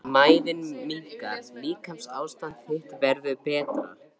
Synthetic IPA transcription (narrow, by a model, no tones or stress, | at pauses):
maːjðɪnmiŋkaɾliːkʰamsaːwst̪ant̪θeht̪vɛɾðʏpɛːt̪ɾa̰ɾ̥